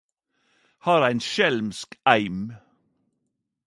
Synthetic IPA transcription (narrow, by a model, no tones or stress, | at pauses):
hɑːɾæɪnʃɛlmskæɪm